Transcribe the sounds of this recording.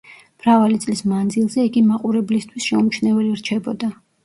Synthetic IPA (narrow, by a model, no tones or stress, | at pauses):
mɾavalit̪sʼlismand̪zilˠzɛiɡimaqʼuɾɛblist̪ʰwisʃɛumt͡ʃʰnɛvɛliɾt͡ʃʰɛbɔd̪a